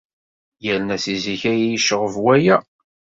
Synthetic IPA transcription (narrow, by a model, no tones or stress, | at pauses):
jælənæsiziçæjæjiʃəʁəvwæjæ